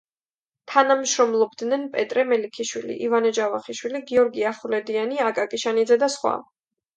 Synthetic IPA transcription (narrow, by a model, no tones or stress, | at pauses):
t̪ʰanamʃɾɔmlˠɔbd̪nɛnpʼɛt̪ʼɾɛmɛlikʰiʃwilḭʔivanɛd͡ʒavaχiʃwiliɡiɔɾɡiaχlɛd̪ianiakʼakʼiʃanid̪zɛd̪asχwa̰